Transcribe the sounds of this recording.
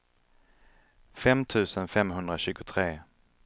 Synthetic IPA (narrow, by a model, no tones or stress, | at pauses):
fɛmt̪ʰʉ̟ːsənfɛmɦɵnd̪ɾaɕʉ̟ːɡʊt̪ʰɾeː